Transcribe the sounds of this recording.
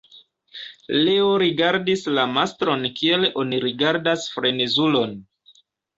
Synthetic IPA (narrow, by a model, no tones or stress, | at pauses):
le̞oɾiɡaɾdislamastɾo̞nkʰie̞lʔo̞niɾiɡaɾdasfɾe̞nezulo̞n